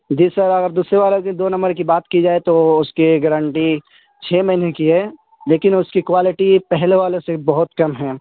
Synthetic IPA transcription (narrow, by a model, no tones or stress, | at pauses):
d͡ʒiːsɐɾɐɡəɾd̪uːsɾeʋaːlokid̪oːnɐ̃mbəɾkibaːt̪kid͡ʒaːet̪oʊskiɡəɾə̃ɳʈi | t͡ʃʰeːmɐɪnekiɦɛ | leːkɪnʊskikwaːlɪʈipɛɦleʋaːlesebɐɦʊt̪kɐmɦɛ̃ː